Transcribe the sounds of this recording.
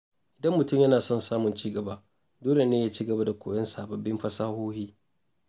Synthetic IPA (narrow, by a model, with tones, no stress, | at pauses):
ʔɪ˨dɐ˦mːʊ˨tʊ˦˨mjɐ˦naː˨sɔ˦nsaː˦mʊ˨nt͡ʃiː˦ɡɐ˨baː˦ | doː˦le˨neː˦jaː˦t͡ʃiː˦ɡɐ˨ba˦da˨kʷʰoː˨jɐ˦nsaː˨bɐ˨bːɪ˦mɸɐ˦saː˦hoː˦hiː˦